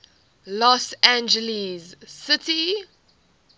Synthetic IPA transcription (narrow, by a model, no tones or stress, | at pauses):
lɔsæ̃nd͡ʒəlizsɪti